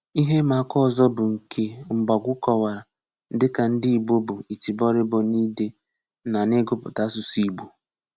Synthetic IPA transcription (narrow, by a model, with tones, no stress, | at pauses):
i˦ɦe˦ma˨a˦kɔ˦˨zɔ˦bʊ˨ŋ̩˨kʰe˦ŋ͡m̩˨ɡ͡ba˨ɡʷʊ˦kɔ˨wa˨ɾa˨ | n̩˦dɪ˦ka˨n̩˦di˦i˨ɡ͡bo˦bʊ˨i˨ti˨bɔ˦ɾɪ˦bɔ˨ni˦de˦ | na˨ne˦ɡʊ˦pʊ˨ta˦s̬ʊ˨si˨ɡ͡bu˨